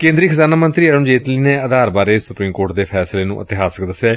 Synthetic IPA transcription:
kẽːnd̪ɾiːkʰəzaːnaːmənt̪ɾiːəɽə̃d͡ʒeːt̪liːneːəd̪aːɾbaːɾeːsʊpɾiːmkoːɾʈ̚d̪eːpʰɛːsleːnṵ̃ːʔət̪ɪɦaːsəkd̪əsɛː

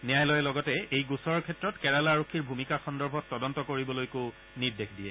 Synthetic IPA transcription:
nijajlɔjɛlɔɡɔtɛejɡusɔɹɹkʰɛtɹɔtkɛɹalaɹokʰːiɹbʱumikaxɔndɔɹbʱɔtːɔdɔntɔkoɹibɔlojko | nidexʰdiɛ

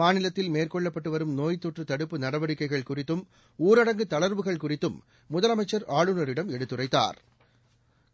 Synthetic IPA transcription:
maːnɪlɐt̪ːɪlmeːrkɔɭːɐpːɐʈːɯʋɐɾɯmnoːjt̪ːɔʈrɯt̪ɐɽɯpːɯnɐɽɐʋɐɽɪkːɐɪɣɐɭkʊrɪt̪ːɯm | uːɾɐɽɐŋɡɯt̪ɐɭɐɾʋɯɣɐɭkʊrɪt̪ːɯmː | ʊðɐlɐmɐɪt͡ʃːɐɾaːɭɯnɐɾɪɽɐmɛɽɯt̪ːɯrɐɪt̪ːa̰ːɾ

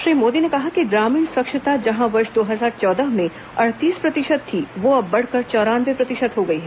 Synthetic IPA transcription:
ʃɾiːmoːd̪inekɐɦakiɡɾaːmiːnsʋɐkʃɪt̪ad͡ʒɐɦãʋɐɾʃd̪oːɦɐzaːɾt͡ʃɔːd̪əɦmẽ | ɐɽ̤t̪iːspɾɐt̪ɪʃəd̪̚t̪ʰːiʋoɐbːɐɽ̤kɐɾt͡ʃɔːɾaːnʋepɾɐt̪ɪʃət̪ɦoɡɐiɦɛ

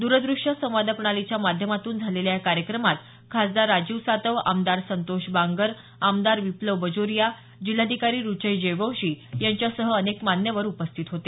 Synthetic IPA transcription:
d̪uɾəd̪ɾuʂəsə̃w̃ʋad̪apɳ̃alit͡ɕjamad̪ʱjəmat̪uːnd͡zʱaleljakaɾjəkɾəmat̪ | kʰasd̪aɾad͡ʑiʋsat̪əʋa̰md̪aɾsənt̪oɕbãŋɡəɾ | amd̪aɾʋipləʋbəd͡zoɾija | d͡ʑil̤ːad̪ʱikaɾiːɾut͡ɕəjd͡ʑeʋəwɕiːjaɲt͡ɕjasəɦəːnekmanjəʋəɾupəst̪ʰit̪ɦot̪e

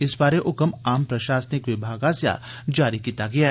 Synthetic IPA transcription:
ɪsbaːɾeʔʊkəmaːmpɾɐʃaːsənɪkʋɪbʱaːɡasja̰d͡ʒaːɾikiːt̪aɡɐjaɦɛ

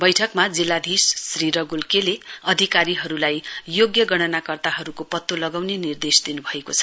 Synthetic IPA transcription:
bʌjʈʰʌkmad͡zilːad̪ʱissriɾʌɡulkeleʌd̪ʱikaɾiɦʌɾulajjoɡjʌɡʌɽ̃ʌnakʌrt̪aɦʌɾukopʌt̪ːolʌɡawnenird̪esd̪inubʱʌekot͡sʰʌ̥

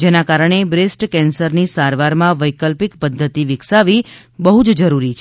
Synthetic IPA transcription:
d͡ʒenakaɾəɳ̃ebɾesʈkɛnsəɾnisaɾʋaɾmãʋəjkəlpikpəd̪ʱːət̪iʋɪksaʋi | bəɦud͡ʒd͡ʒəɾuɾit͡ʃʰ

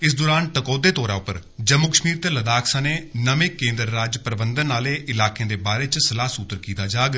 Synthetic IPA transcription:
ɪs̬d̪oːɾaːnʈəkoːd̪eːt̪ɔːɾaːʊpːə̰ɾd͡ʒəmːuːkəʃmiːɾt̪eləd̪aːksãːneːnəmẽːkẽːnd̪ɾːaːd͡ʒpɾəbənd̪ənːaːleːʔɪlaːkẽːd̪eːbaːɾeːt͡ʃsəlaːsuːt̪ːəɾkiːt̪aːd͡ʒaːɡ

